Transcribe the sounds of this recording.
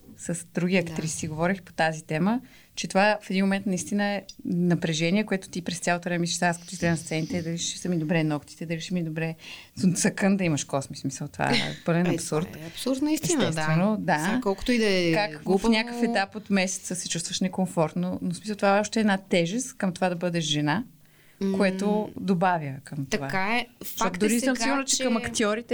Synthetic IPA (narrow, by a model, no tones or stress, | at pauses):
səsd̪ɾuɡ̟iɐkt̪ɾisiɡovɔɾixpo̥t̪azit̪ɛmə | t͡ʃɛt̪ovafɛd̪inmomɛ̃nt̪nɐist̪inəɛnɐpɾɛʒɛniɛkoɛt̪ʊ̥t̪ipɾɛst̪ʲalˠot̪ovɾɛmɛmɛisiʃt̪askɐt̪ɔsɾɛnst̪sɛnit̪ɛːd̪ɐliʃɛ̥səmid̪obɾɛnɔkt̪i̥t̪ɛd̪ɐliʃɛmid̪obɾɛsut̪sɐkənd̪ɐimɐʃkɔsmismisəlˠt̪ova̰bɤlɛnɐpsuɾt̪ɐpsuɾd̪nɐistɛinɛst̪t̪vɛnod̪akɔlˠkʊ̥t̪ʊid̪ɐɛkakfnʲakəfɛt̪apot̪mɛsɛ̥t̪səsɛt͡ʃust̪vəʃnɛkoɱfɔɾt̪nonosmislˠt̪ovaɛɔʃt̪ɛːd̪nat̪ɛʒɛst̪kəmt̪ovad̪ɐbɤd̪ɛʃʒɛna | koɛt̪oʊd̪obavʲjəkəmt̪ɐvakaɛaɔt̪d̪ɾisəmsiɡʊɾnət͡ʃɛ̥kɐmɐkt̪iɔɾit̪ɛ